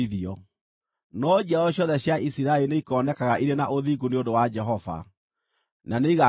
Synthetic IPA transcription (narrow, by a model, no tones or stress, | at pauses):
iðiɔ | nɔd͡ʒɛɔɕjɔðɛɕjaisiɾaeineikɔnɛkaɣaʔiɾenaʔoðiɡuneondowad͡ʒɛɦɔva̰ | naneiɣa